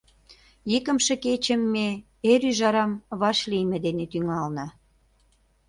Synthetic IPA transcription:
jikə̆mʃĕket͡ɕə̆mːe | eɾyʒɑɾɑmβɑʃlijmĕd̪enet̪yŋɑlnə̆

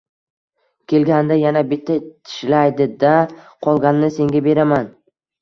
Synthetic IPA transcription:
kʲʰe̞lɡʲand̪ajanabɪt̪ʰːat̪ʰɪ̥ʃlajd̪ɪd̪a | qʰɒlˠɡʲannɪse̞ŋɡʲabe̞ɾaman

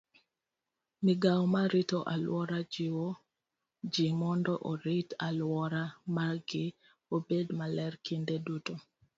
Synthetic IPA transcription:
mɪɡawmaɾitoʔalwɔɾad͡ʒɪwo | d͡ʒɪmɔndɔʔoɾitalwɔɾamaɡɪ | obedmalɛrkindeduto

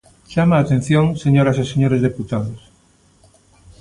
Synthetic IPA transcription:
ʃamaːt̪ẽn̟θjoŋseɲoɾaseseɲoɾezðeput̪aðos

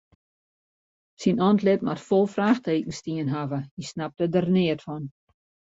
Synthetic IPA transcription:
sinɔntlɪtmʔa̰tfɔlˠfraːxteːk̚n̩stiənɦavəisnap̚tədərnɪətfɔn

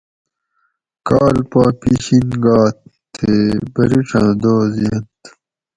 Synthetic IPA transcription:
kaːlpaːpiɕinɡaːt̪ʰː | ebɐɾiʈ͡ʂʰãːd̪oːziɐ̃t̪

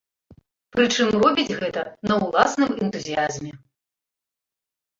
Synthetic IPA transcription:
pɾɨt͡ʂɨmrɔbʲid͡zʲɣɛt̪ɐnɐwlˠasnɨmɛnt̪uzʲijazmʲɛ

